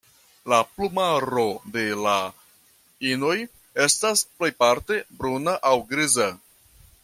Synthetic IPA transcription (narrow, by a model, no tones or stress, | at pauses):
laplumaɾo̞de̞la | inoj | e̞stasple̞jpaɾte̞bɾunaʔawɡɾiza